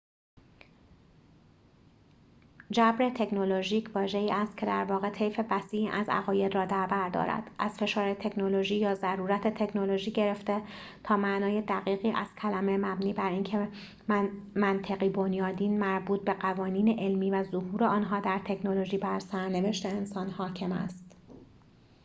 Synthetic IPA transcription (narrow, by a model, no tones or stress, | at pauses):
d͡ʒæbɾet̪ʰe̞cʰnoloʒiːcʰvɒːʒe̞iːʔæst̪̚cʰe̞d̪æ̰ɾvɒːɣe̞t̪ʰe̞jfe̞væsiːʔiːʔæzæ̰ɣɒːje̞d̪rɒːd̪æɾbæɾd̪ɒ̰ːɾæ̰d̪̥ʔæz̥fe̞ʃɒːɾet̪ʰe̞cʰnoloʒiːjɒːzæɾuːɾæt̪ʰe̞t̪ʰe̞cʰnoloʒiːɟe̞ɾe̞ft̪e̞ | t̪ʰɒːmæʔnɒːje̞d̪æɣiːɣiːʔæz̥cʰælæme̞mæbniːbæɾiːŋcʰe | mænt̪ʰeɣiːbo̞njɒːd̪iːnmæɾbuːt̪̚be̞ɢævɒːniːneʔelmiːvæzoɦuːɾe̞ɒːnɦɒːd̪æɾt̪ʰe̞cʰnoloʒiːbæɾsæɾne̞ve̞ʃt̪e̞ːnsɒːnhɒːcʰe̞mæ̰st̪